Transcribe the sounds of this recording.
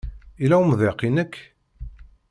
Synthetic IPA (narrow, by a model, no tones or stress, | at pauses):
ilæwəmðeqːinəkː